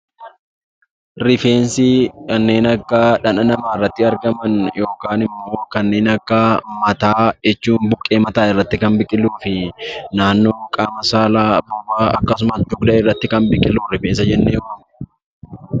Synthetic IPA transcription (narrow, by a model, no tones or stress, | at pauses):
ɾɪfeːnsɪkɐnːe̞ːnɐkːɐᶑɐnɐnɐmaːɪrːɐt̪ːɪɐɾɡɐmɐnjo̞ːkaːnɪmːo̞ːkɐnːe̞ːnɐkːɐmɐt̪aːd͡ʒɛt͡ʃːuːnbʊkʼːe̞ːmɐt̪aːɪrːɐt̪ːɪkɐnbɪkʼɪluːfɪnaːnːo̞ːkʼaːmɐsaːlaːbʊbaːɐkːɐsʊmɐsd͡ʒʊɡd̪ɐʔɪrːɐt̪ːɪkɐnbɪkʼːɪlːuːɾɪfeːns̬ɐd͡ʒɛnːeːjɔkɐm